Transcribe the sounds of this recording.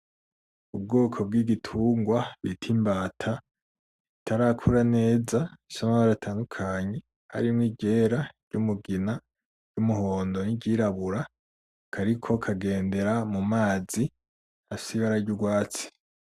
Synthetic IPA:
ub̚ɡoːkʰo̞b̚ɡiːɡitʰuːŋɡwaβitʰimbaːtʰa | itʰaɾaːkʰuɾane̞ːzaisomaβaɾatʰaːndukʰaːɲe | ha̰ɾimŋiɟe̞ːɾaɾ̥ɟ̥umuɡina | ɟumuho̞ːndo̞niɟiːɾaβuɾa | kʰaɾikʰo̞kʰaɡe̞ːnde̞ɾamumaːzi | hafsiβaɾaɾɟuɡwaːt͡si̥

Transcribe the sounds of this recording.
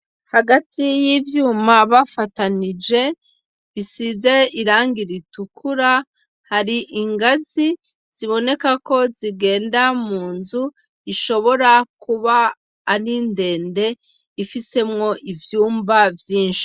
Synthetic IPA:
haɡatʰijivjuːmaβafatanid͡ʒe̞ | βisize̞iɾaːŋɡiɾitukʰuɾa | haɾiʔiŋɡazi | z̥iβo̞ne̞kako̞ziɡe̞ːndamuːnzu | iʃo̞βo̞ɾakuβaː | ɾinde̞ːnde̞ | ifise̞mŋo̞ʔivjuːmbavjiːnʃi̥

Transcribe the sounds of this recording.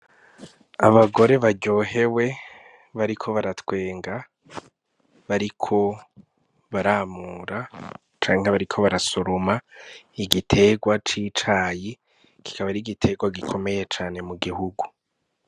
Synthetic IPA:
aβaɡo̞ɾe̞βaɟo̞ːɦe̞we̞ | βaɾikʰo̞βaɾatwe̞ːŋɡa | βaɾikʰo̞ | βaɾaːmuːɾa | t͡ʃaːŋeŋaβaɾikʰo̞βaɾasoɾomaiɡitʰe̞ɡwat͡ʃit͡ʃaːji | kʰi̥kaβaɾiɡitʰe̞ɡwaɡikʰo̞me̞je̞t͡ʃaːne̞muɡihuɡu

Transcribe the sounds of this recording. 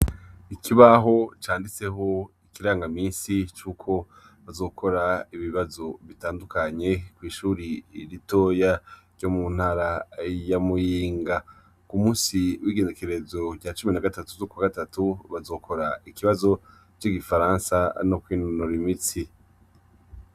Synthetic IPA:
ikʰiβaɦo̞t͡ʃaːndit͡se̞ɦo̞ikiɾaːŋɡamiːnsit͡ʃuːkʰo̞ | βazo̞ːkʰo̞ɾaiβiβazo̞βitaːndukʰaɲe̞kwiːʃuːɾiɾito̞jaɾɟomun̥haɾajamujiːŋɡa | kumuːsiwiːɡe̞nekeɾe̞zo̞ɾɟat͡ʃuminaɡatatuzokuwaɡatatuβazo̞ːkʰo̞ɾaikiβazo̞ | t͡ʃiɡifaɾãːnsanokwiːnonoɾimit͡si

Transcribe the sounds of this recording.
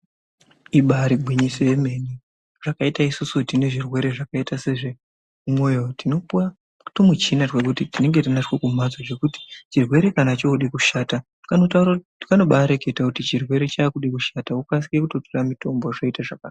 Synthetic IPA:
iɓaɾiɡʱwiɲiso̞je̞me̞ni | ʐ̥akaitaisusutine̞ʐirwe̞ɾe̞ʐakaitase̞ʐe̞ | umwo̞jotinopa | tomut͡ʃinat͡ʃwek̬utitine̞ŋɡetinat͡ʃkokum̤ad͡zoʐe̞kuti̥t͡ʃirwe̞ɾe̞kanat͡ʃo̞uɗikuʃaːta | kanotaura | ikano̞ɓaɾe̞ke̞takutit͡ʃirwe̞ɾe̞t͡ʃaːkuɗikuʃataukas̬i̥kekuto̞toramito̞mbo̞ʐoitaʐakar

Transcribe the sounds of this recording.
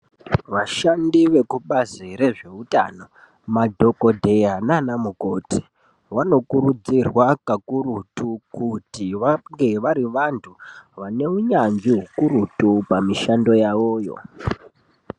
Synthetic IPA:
ʋaʃandiʋe̞kuɓaziɾe̞ʐe̞uta̰no̞ | madʱo̞ko̞dʱe̞jananamuko̞tʰi̥ | wano̞kuɾud͡zirwakakuɾutukutiʋaŋɡe̞ʋaɾiʋantʰuʋane̞uɲand͡ʒiɦukuɾutupamiʃando̞jawoːjo̞̰

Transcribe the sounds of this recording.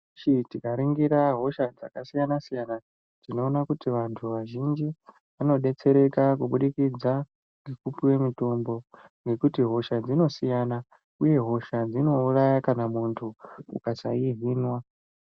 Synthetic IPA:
t͡ʃitikaɾiŋɡiɾaɦo̞ʃad͡za̰kasijanasijana | tino̞ːnakutiʋantʰuʋaʒind͡ʒi | ʋano̞ɗe̞t͡se̞ɾe̞kakuɓuɗikid͡za | ŋɡikupiwe̞mito̞mbo̞ŋɡe̞kutiɦo̞ʃad͡zino̞sijana | uje̞ɦo̞ʃad͡zino̞urajakanamuntʰuṵkasaiɦiːnwa

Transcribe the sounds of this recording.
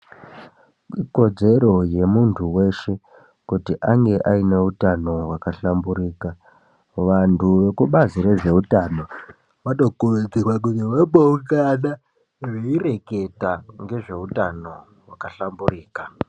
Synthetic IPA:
iko̞d͡ze̞ɾo̞je̞muntʰuwe̞ʃe̞ | kutiʔaŋɡe̞ʔaine̞utano̞wakaɬambuɾiːka | ʋantʰuʋe̞kuɓaziɾe̞ʐe̞utano̞ | ʋatokued͡zirwak̬uniwepoukana | ʐeire̞ke̞taŋɡe̞ʐe̞utano̞ | wakaɬamburiːka

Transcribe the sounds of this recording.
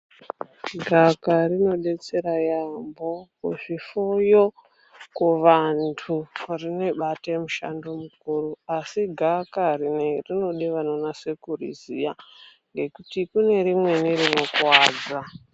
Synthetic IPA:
ɡʱakarino̞ɗe̞t͡se̞ɾajambo̞kuʐifojo | kuʋantʰurine̞ɓatajemuʃa̰ndomukuruasiɡʱakarinerino̞ɗiʋano̞nase̞kurḭzijaŋɡe̞kutikune̞ɾimwe̞nirino̞kwaːd͡za

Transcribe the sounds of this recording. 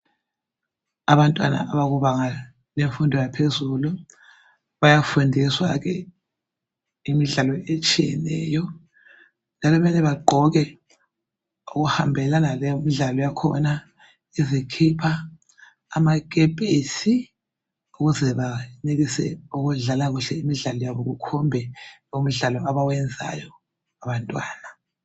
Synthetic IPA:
aβantʼwa̰na̰aβaɣuβaŋa | leɱfundʱɔjapʰezulu | βajafundʱiswaɣɛ | imiɮalɔet͡ʃʼijɛnɛːjɔ | nd͡ʒʱalɔβɛlɛβaɡ͡ǃʱɔɣɛ | uɣuhambʱɛlanalɛjumiɮalɔjakʰɔ̰na | izikʰipʰa̰ː | mak̬ʼɛpʼesi | uɣuzɛβaniɣisɛ̰uɣuɮalaɣuɬɛimiɮalɔjaβɔɣukʰɔmbʱɛum̩ɮalɔaβawɛnd͡zʱa̰jɔ | aβantʼwaːna

